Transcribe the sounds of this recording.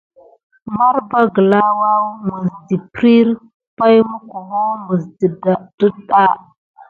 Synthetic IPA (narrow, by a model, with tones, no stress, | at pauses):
ma˦ɾba˦ɡə˨la˦wa˦wmu˨zdi˨pɾi˦ɾ | pa˦jmu˦ku˨wo˦mu˨zdi˨da˨d̥u˦da˦